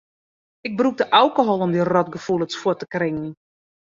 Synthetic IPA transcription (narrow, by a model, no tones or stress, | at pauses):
ɪk̚bruk̚dəʔalˠkoɦɔlˠɔmdirɔtɡəfulˠət͡sfwɔtəkrɪŋən̩